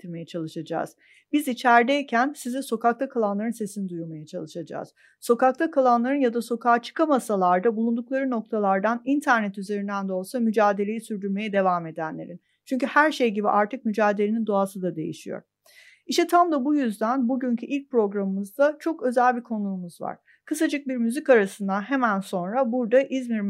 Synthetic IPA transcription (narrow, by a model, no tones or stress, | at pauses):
t̪ʰiɾme̞jɛt͡ʃʰalˠɯʃad͡ʒa̰ːz̥ | bizit͡ʃʰæɾd̪eicʰænsiziso̞kak̚t̪ʰakʰalˠanlˠaɾɯnse̞sinid̪ujuɾmajat͡ʃʰalˠɯʃad͡ʒa̰ːz̥ | so̞kak̚t̪ʰakʰalˠanlˠaɾɯnjad̪aso̞kʰaːt͡ʃʰɯ̥kʰamasalˠaɾd̪abulˠund̪uklˠaɾɯno̞k̚t̪ʰalˠaɾd̪anint̪ʰæɾnɛt̪yze̞ɾind̪ænd̪olˠsamyd͡ʒaːd̪e̞lʲe̞jisyɾd̪yɾme̞jɛd̪e̞vaːme̞d̪ænlʲe̞ɾin | t͡ʃʰyɲcyhæɾʃe̞jɟibḭʔaɾt̪ʰɯk̚myd͡ʒaːd̪elʲenind̪oasɯd̪ad̪e̞jḭʃijo̰ɾ̥ | iʃɛt̪ʰamd̪abujyzd̪ænbuɟyɲcʰyʔilʲc̚pɾo̞ɡɾamɯmɯzd̪at͡ʃʰo̞kø̞zælʲbikʰo̞numuzva̰ɾ̥ | kʰɯsad͡ʒɯk̚biɾmyzicaɾasɯnd̪anɦe̞mænso̞nɾabuɾd̪aʔizmiɾm